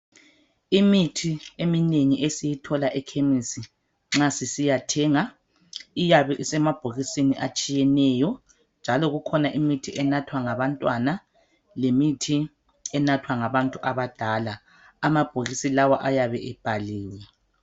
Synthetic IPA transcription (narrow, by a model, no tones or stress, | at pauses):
imitʰiemineŋiʔesijitʰɔlaʔɛkʰemisi | ŋ͡ǁasisijatʰɛːŋa | ijaβɛʔisɛmab̥ʱoɣisiniʔat͡ʃʼijɛnɛjɔ | nd͡ʒʱalɔɣukʰɔnaʔimitʰiʔɛnatʰwaŋaβantʼwana | lemitʰi | ɛnatʰwaŋaβantʼuʔaβad̥ʱalaː | mab̥ʱoɣisilawaʔajaβɛʔɛb̥ʱaliːwɛ